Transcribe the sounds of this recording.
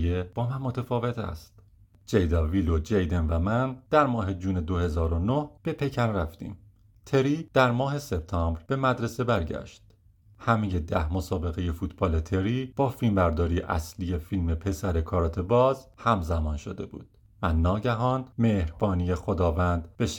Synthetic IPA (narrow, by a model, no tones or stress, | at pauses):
jeb̥ɒːmænmot̪ʰefɒːve̞t̪ʰæ̰st̪ | d͡ʒejd̪ɒviːlod͡ʒejd̪e̞nvæmænd̪̥æɾmɒːɦe̞d͡ʒuːned̪ohe̞zɒːɾo̞nohb̥e̞pʰe̞cʰæɾræft̪ḭːm | t̪ʰe̞ɾiːd̪̥æɾmɒːɦe̞se̞b̥̚t̪ʰɒːmbɾbe̞mæd̪ɾe̞se̞bæɾɟæ̰ʃt̪ | hæmeje̞d̪æhmo̞sɒːbe̞ɣe̞je̞fuːt̪ʰb̥ɒːle̞t̪ʰe̞ɾiːb̥ɒːfilmbæɾd̪ɒːɾijeʔæ̰slije̞filme̞pʰe̞sæɾe̞kʰɒːɾɒːt̪ʰebɒːzhæmzæmɒːnʃod̪e̞̰bṵːd̪̥ | vænɒːɟæɦɒːnmehɾbɒːnije̞xod̪ɒːvænd̪b̥eʃ